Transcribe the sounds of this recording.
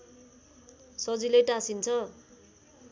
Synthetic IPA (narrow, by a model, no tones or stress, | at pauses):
sʌd͡zilejʈasint͡sʰʌ